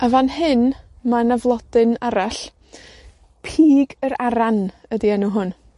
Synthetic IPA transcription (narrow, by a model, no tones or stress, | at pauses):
avanɦɨn | manavlˠɔd̥ɨnaɾaɬ | pʰiːɡəɾaɾanədiɛnuɦʊn